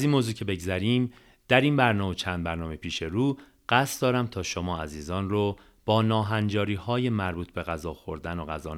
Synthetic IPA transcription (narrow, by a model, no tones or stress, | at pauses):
æziːnmoːzuːcʰe̞be̞ɡzæɾiːm | d̪̥æɾiːnbæɾnɒːmet͡ʃʰænd̪̚bæɾnɒːmepʰiːʃe̞ɾuː | ɢ̥æst̪d̪ɒːɾæmt̪ʰɒːʃomɒːæziːzɒːnro | b̥ɒːnɒːɦænd͡ʒɒːɾiːhɒːje̞mæɾbuːt̪ʰbe̞ɣæzɒːxo̞ɾd̪ænoɣæzɒːn